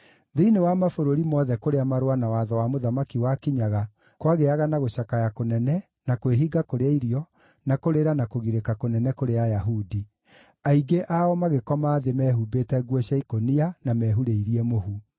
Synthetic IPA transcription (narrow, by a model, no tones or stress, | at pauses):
ðeinewamafoɾoɾimɔðɛkoɾeamaɾwanawaðɔwamoðamakiwakiɲaɣa | kwaɣeaɣanaɣoɕakajakonɛnɛ | nakweɦiɡakoɾeaiɾiɔ | nakoɾeɾanakoɣiɾekakonɛnɛkoɾeajaɦudi | aiɡeʔaɔmaɣekɔmaːðemɛːɦubeːtɛɡwɔɕjaikonianamɛːɦuɾeiɾiɛmoɦu